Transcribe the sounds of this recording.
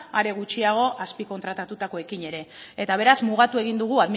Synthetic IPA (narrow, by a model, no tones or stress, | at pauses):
aɾe̞ɣ̞ut͡ʃiaɣ̞o̞ʔaspiko̞nt̪ɾat̪at̪ut̪ako̞e̞kiɲe̞ɾe̞et̪aβ̞e̞ɾazmuɣ̞at̪ue̞ɣ̞ind̪uɣ̞uaðmi